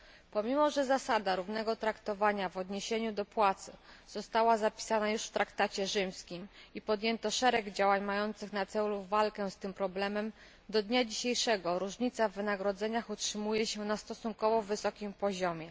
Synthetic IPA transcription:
pɔmʲimɔʐɛzasad̪aɾuvnɛɡɔt̪ɾakt̪ɔvaɲavɔd̪ɲeɕeɲud̪ɔpwat̪sɘ̰z̥ɔst̪awazapʲi̥sanajuʂft̪ɾʔakt̪at͡ɕɛʐɘmskʲimipɔd̪jɛnt̪ɔʂɛɾɛɡd͡ʑawaɲmajɔnt̪sɘxnat̪sɛluvalkɛst̪ɘmpɾɔblɛmɛm | d̪ɔd̪ɲad͡ʑiɕejʂɛɡɔɾuʐɲit̪savːɘnaɡɾɔd̪zɛɲaxutʂɘmujɛɕɛnast̪ɔsuŋkɔvɔvɘsɔkʲimpɔʑɔmʲjɛ

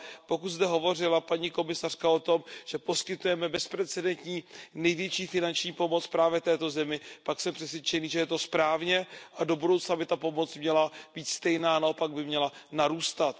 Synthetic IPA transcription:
po̞kut̪zd̪ɛɦo̞vo̞r̝ɪlapaɲiko̞mɪsar̥kao̞t̪o̞mʒ̥ɛpo̞skɪt̪ujɛmɛbɛspɾɛt͡sɛdɛnt̪ɲiːnɛjvjɛt͡ʃiːfɪnant͡ʃɲiːpo̞mo̞t͡spɾaːvjɛt̪ɛːt̪o̞zɛmɪpaksɛmpr̥ɛsvʲɪɛt͡ʃɛniːʒɛjɛt̪o̞spɾaːvɲɛʔado̞budowt͡snabɪt̪apo̞mo̞t͡smɲɛlab̥iːt̪st̪ɛjnaːnao̞paɡ̚bɪmɲɛlanaɾuːst̪at̪

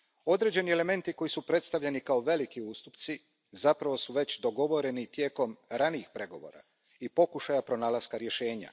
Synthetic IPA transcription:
o̞d̪ɾe̞ːd͡ʑe̞niele̞me̞nt̪iko̞jisupɾe̞t̪st̪aʋʎe̞nikao̞ʋe̞likiuːst̪upt̪si | zapɾaʋo̞suʋe̞t͡ɕd̪o̞ɡo̞ʋo̞ɾe̞nit̪je̞ːko̞mɾaniixpɾe̞ɡo̞ʋo̞̰ɾa̰ | ipo̞kuʃajapɾo̞naːlazkaɾje̞ʃe̞ːɲa̰

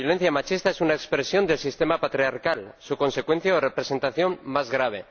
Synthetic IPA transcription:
jolen̟θjamat͡ʃist̪aesunaekspɾesjo̞nd̪e̞lsist̪e̞mapat̪ɾiaɾkalsukõ̞nse̞kwe̞n̟θjaorepɾe̞se̞nt̪aθjõ̞mmazɣɾaβ̞e̞

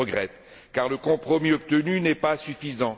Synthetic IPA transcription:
əɡʁɛt̪ | kaʁləkɔ̃pχɔmiɔp̚t̪ənynɛpasyfizɑ̃

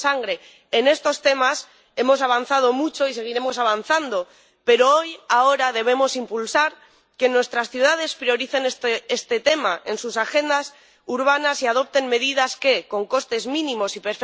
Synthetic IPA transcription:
saŋɡɾe̞ː | ne̞st̪o̞st̪e̞mas | e̞mo̞s̬aβ̞an̟θað̞o̞mut͡ʃo̞ise̞ɣ̞iɾe̞mo̞saβ̞an̟θand̪o̞ | pe̞ɾo̞ojao̞ɾaðe̞β̞e̞mo̞simpulsaɾ | ke̞nwe̞st̪ɾasθjuðað̞e̞spɾio̞ɾiθe̞nest̪eest̪e̞t̪e̞maʔe̞nsusaxe̞nd̪as | uɾβ̞anasiaðo̞p̚t̪e̞nme̞ðiðaske̞ko̞ŋko̞st̪e̞zmĩnĩmo̞sipeɾf

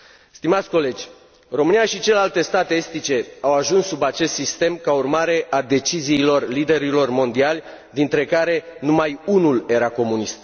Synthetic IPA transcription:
st̪imat̪sʲko̞le̞d͡ʒʲ | ro̞mɨnijaʃit͡ʃe̞lealt̪e̞st̪at̪eest̪it͡ʃe̞awaʒunssubat͡ʃe̞st̪sist̪e̞mkaurmaɾe̞ʔad̪e̞t͡ʃiziːlo̞rlid̪e̞ɾilo̞rmo̞nd̪ialʲ | d̪int̪ɾe̞kaɾe̞numajunule̞ɾako̞munist̪

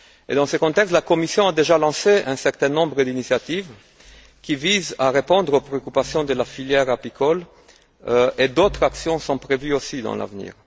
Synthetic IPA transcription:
ḛd̪ɑ̃səkɔ̃t̪ɛkst̪lakomisjɔ̃ad̪eʒalɑ̃seɛ̃sɛʁt̪ɛ̃nɔ̃bʁəd̪inisjat̪iv | kʲivizaʁepɔ̃d̪ʁopɾeokypasjɔ̃d̪əlafiljɛʁapikʰɔl | ed̪ot̪χaksjɔ̃sɔ̃pʁevyosid̪ɑ̰̃la̰vnḭːʁ

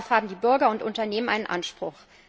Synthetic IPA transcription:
fhaːbm̩diːbʏɐɡɐʊntʔʊntɐneːmənʔa̰ɪnənʔa̰nʃpʁ̥ʊx

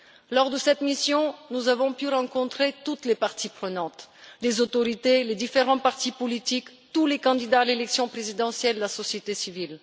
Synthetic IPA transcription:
lɔʁd̪əsɛt̪misjɔ̃nuzavɔ̃pyʁɑ̃kɔ̃t̪χet̪ut̪lepaʁt̪ipχənɑ̃t̪lezot̪ɔʁit̪eled̪ifeʁɑ̃paʁt̪ipɔlit̪ikt̪ulekɑ̃d̪id̪aːlelɛksjɔ̃pχezid̪ɑ̃sjɛləlasɔsjet̪esivil

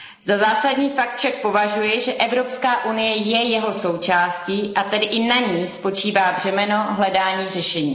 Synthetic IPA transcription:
zazaːsadɲiːfak̚t̪fʃak̚po̞vaʒujɛʒɛʔɛvɾo̞pskaːʔunɪjɛjɛjɛɦo̞so̞wt͡ʃaːsciːʔat̪ɛdɪʔɪnaɲiːspo̞t͡ʃiːvaːbr̝ɛmɛno̞ɦlɛdaːɲiːrɛʃɛɲiː

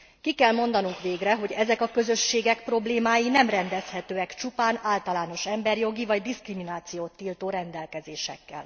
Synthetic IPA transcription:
kikɛlmo̞nd̪ɒnuŋkʋeːɡrɛɦo̞ɟɛzɛkɒkø̞zø̞ʃːeːɡɛkpro̞bleːmaːjinɛmrɛnd̪ɛshɛt̪øːɛkt͡ʃupaːnaːlt̪ɒlaːno̞ʃɛmbɛrjo̞ɡivɒɟd̪iskriminaːt̪sijoːt̪ːiːlt̪oːɾɛnd̪ɛlkɛzeːʃɛ̰kːɛ̰l

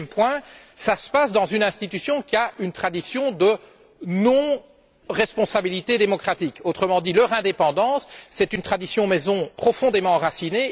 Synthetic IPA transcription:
mpwɛ̃ | sasə̥pasd̪ɑ̃zynɛ̃st̪it̪ysjɔ̃kʲiaynt̪χad̪isjɔ̃d̪ə | nɔ̃ | ʁɛspɔ̃sabilit̪ed̪emɔkχat̪ikot̪χəmɑ̃d̪ilœʁɛ̃d̪epɑ̃d̪ɑ̃sːɛt̪ynt̪χad̪isjɔ̃mɛzɔ̃pχɔfɔ̃d̪emɑ̃ʁasine

